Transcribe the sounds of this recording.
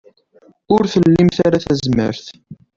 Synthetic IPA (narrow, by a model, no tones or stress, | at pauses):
ʊɾθəlːimθaɾaθæzmə̰ɾθ